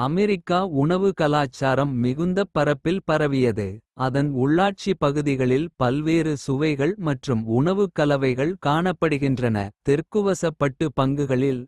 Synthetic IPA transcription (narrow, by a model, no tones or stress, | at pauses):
ɐmɛɾɪkːaːʊɳɐʋɯkɐlaːt͡ʃːaːɾɐmːɪɣɯnd̪ɐpːɐɾɐpːɪlpɐɾɐʋɪjɐðɯɐðɐnʊɭːaːʈ̚t͡ʃipɐɣɯðɪɣɐɭɪlpɐlʋeːɾɯsʊʋɐɪɣɐɭmɐʈrɯmʊɳɐʋɯkɐlɐʋɐɪɣɐɭkaːɳɐpːɐɽɯɣɪndrɐnɐ̰t̪ɛrkɯʋɐsɐpːɐʈːɯpɐŋɡɯɣɐɭɪl